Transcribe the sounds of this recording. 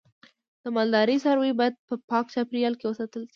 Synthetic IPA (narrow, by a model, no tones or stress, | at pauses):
d̪̥əmɑld̪ɑɾisaɾwuibɑjad̪̚pəpɑkt͡ʃapɾijɑlkewəsat̪əlʃi̥